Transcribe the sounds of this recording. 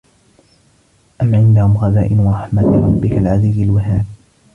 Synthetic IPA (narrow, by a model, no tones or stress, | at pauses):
ʔamʕɪnd̪ahʊmɣɑða̰ːʔɪnwɑɾˤɑħmat̪ɾˤɑbːɪkalʕaziːzalwaɦaːb̚